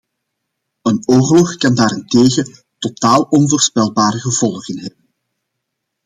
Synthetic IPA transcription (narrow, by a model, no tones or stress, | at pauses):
ənoːrlɔxkɑndaːɾɪnteːɣə | totaːlˠɔnvoːrspɛlˠbaːrəɣəv̥ɔlˠɣənɦɛbən